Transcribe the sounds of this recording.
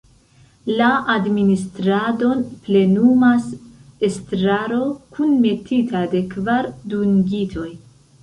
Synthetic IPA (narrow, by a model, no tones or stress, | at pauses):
laʔadministɾado̞nple̞numase̞stɾaɾo̞kʰunme̞titʰade̞kvaɾdunɡitʰo̞j